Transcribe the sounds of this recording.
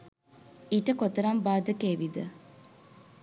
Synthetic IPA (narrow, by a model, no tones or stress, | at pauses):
iʈəkot̪əɾambaːd̪əkeːʋid̪ə